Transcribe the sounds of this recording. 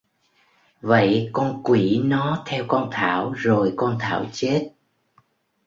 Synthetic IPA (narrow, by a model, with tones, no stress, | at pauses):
və̰˧˨jkɔ˧nkwi˧˩nɔ˨˦t̪ʰɛ˧wkɔ˧nt̪ʰaː˧˩˨wzo˨˩jkɔ˧nt̪ʰa̰ː˧˩wt͡ɕe˦˥t̚